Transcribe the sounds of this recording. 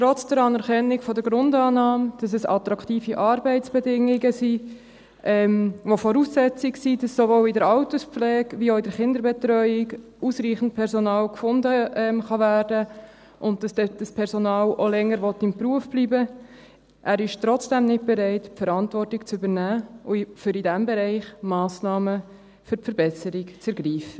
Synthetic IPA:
tɾɔt͡sd̥əɾɑnɛɾkɛnːɪkfɔdəɡɾʊndɑːnɑːmd̥ɑs̬ɛsɑ̰t̪ɾɑkχtiːfiʔɑːɾbɛɪtt͡sb̥ɛdɪŋɪɡəsi | ʔɛmʋofɔɾusːɛt͡sɪksid̥ɑsːovoːlɪdəɾɑʊtəspflɛːɡʋioʊɪdəɾχɪndəɾbɛtɾœʏɪɡ | usɾiːχən̩tpʰɛɾsɔnɑːlkfʊndəɛmχɑvæːrdə | ʔʊnt̚d̥ɑsd̥ɛd̥ɑspʰɛɾsonɑːlolɛŋːəɾʋɔtːɪmpɾuəfb̥liːbə | ʔæɾɪʃtɾɔt͡sd̥ɛmnɪt̚b̥ɛɾɛɪtpfəɾɑntvɔrtɪkt͡sʏbəɾnæːʊfʏɾidæmbɛɾɛɪχmɑːsnɑːmə | fʏɾfəɾbɛsəɾɪkt͡səɾɡɾiːfə

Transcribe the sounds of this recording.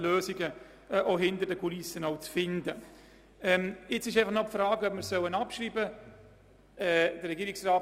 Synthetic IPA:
løːsɪɡə | ʔoɦɪntəɾdəkʰulisənaʊt͡sfɪndə | ɛmɪt͡sɪʃaɪfɑχnɔpfɾaːɡœp̚miːɾsœwənapʃɾiːbə | ɛd̥ərɾɛɡiːɾɪksraː

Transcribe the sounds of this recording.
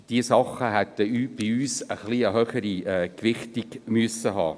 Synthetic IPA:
d̥iəsɑχəɦɛt̪əyːb̥iyːsəχliəɦœχəɾiɛːkʋɪχtiɡmøəsəɦɑ̰ː

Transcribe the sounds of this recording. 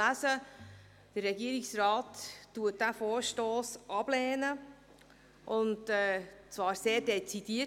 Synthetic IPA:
æzə | d̥ərːɛɡiəɾɪksɾɑːtːuət̚d̥æfoːɾʃtoːsʔɑb̥lɛːnə | ʔʊntɛt͡sʋɑːɾseːdɛt͡sid̥iə

